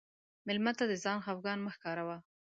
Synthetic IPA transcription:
mɪlmat̪ad̪əzɑnxawɡɑnməxkɑɾawa

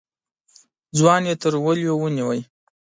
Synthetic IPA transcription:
d͡zwɑnjet̪əɾwəljowəniwəj

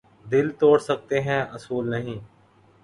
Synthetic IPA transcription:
d̪ɪlt̪oːɽsək̚t̪eɦɛ̃ːʔɐsuːlnəɦĩː

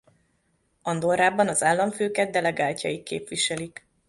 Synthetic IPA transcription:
ɒnd̪oɾaːbɒnɒzaːlːɒɱføːkɛd̪̚d̪ɛlɛɡaːlcɒ̰jikːḛːpʋiʃɛlik

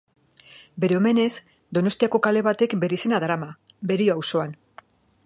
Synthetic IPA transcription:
be̞ɾe̞o̞me̞ne̞z | d̪o̞no̞st̪iako̞kale̞βat̪e̞kbe̞ɾise̞naðɾama | be̞ɾioawso̞an

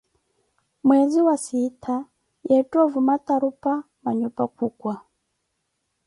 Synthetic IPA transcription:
mwɛziwasitʰa | jɛtʼɔvumat̪aɾupa | maɲupakʰukwa

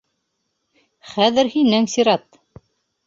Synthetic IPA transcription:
χæðɘɾhinɘŋsiɾɑt̪

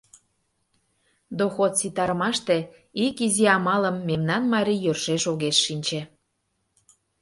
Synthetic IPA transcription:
d̪oxot̪sit̪ɑɾəmɑʃt̪e | ikiziɑmɑləmːemnɑnmɑɾʲijørʃeʃoɣeʃːinʲt͡ɕe

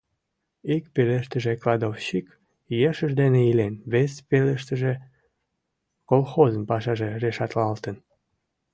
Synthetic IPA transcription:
ikpeleʃt̪əʒeklɑd̪ofɕik | jeʃəʒd̪eneilenβespeleʃt̪əʒe | kolxozəmpɑʃɑʒereʃɑt̪lɑlt̪ən

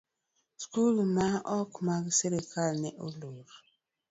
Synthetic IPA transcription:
skulnaʔɔkumaɡiseɾekʰalneʔoloɾu

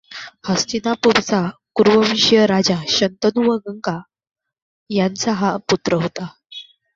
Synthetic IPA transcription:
həst̪inapuɾt͡sakuɾʋəʋiɕjəɾad͡ʑaɕənt̪ənuʋəɡəŋka | jant͡saɦaput̪ɾəɦot̪a

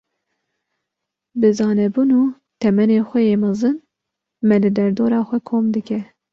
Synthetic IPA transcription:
bɨzɑːnɛbuːnuː | t̪ʰɛmɛneːxʷɛjeːmɑzɨn | mɛlɨd̪ɛɾd̪oːɾɑːxʷɛkʰoːmd̪ɨkɛ

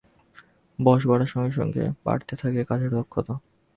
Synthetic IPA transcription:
bɔʃbaɽaʃɔŋɡeʃɔ̰ŋɡḛba̰ɽt̪et̪ʰakekad͡ʑeɾd̪ɔkʰːot̪o

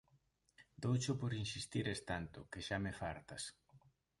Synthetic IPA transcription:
d̪owt͡ʃʊpoɾinsist̪iɾest̪ant̪ʊ̰keʃamefaɾt̪as

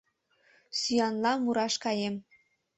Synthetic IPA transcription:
syjɑnlɑmːuɾɑʃkɑjem

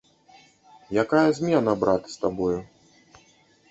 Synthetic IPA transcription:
jakajɐzʲmʲɛnɐbɾat̪ɨ̥st̪abɔju

